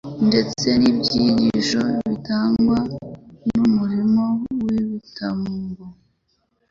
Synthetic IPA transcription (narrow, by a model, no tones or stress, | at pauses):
nde̞t͡se̞nibɟiːɟiʃo̞βitaːŋɡwanumuɾimo̞wiβitʰamuɡo